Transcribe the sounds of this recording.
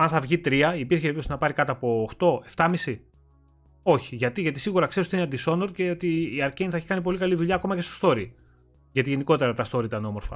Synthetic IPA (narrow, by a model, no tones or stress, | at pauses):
ɐnθɐvʝit̪ɾiɐipiɾçepitosinɐpɐɾikɐt̪oːpo̞ːxt̪o̞e̞ft̪ɐmisi | o̞çi̥ʝɐt̪iʝɐt̪isiɣuɾɐkseisoineɐnd̪iso̞noɾce̞o̞t̪iːɐɾceinθɐeçikɐnip̬o̞likɐliðuʎɐːko̞mɐce̞sto̥st̪o̞ɾi | ʝɐt̪iʝe̞niko̞t̪e̞ɾɐt̪ɐst̪o̞ɾiit̪ɐno̞mo̞ɾfɐ̰